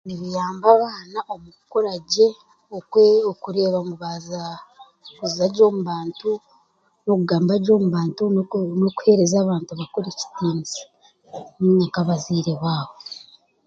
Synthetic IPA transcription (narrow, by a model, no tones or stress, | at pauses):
niβijaːmbaβaːnaʔo̞mukoɾaɟe̞ | okeokuɾe̞ːβamuβaza | kuziaɾɟo̞ːmuβaːntu | no̞kuɡaːmbaɟo̞ːmuβaːntunoku̥he̞ːɾezaːβaːntuβakoɾeci̥tiːnzi̥ | akaβaziːɾe̞βaːβo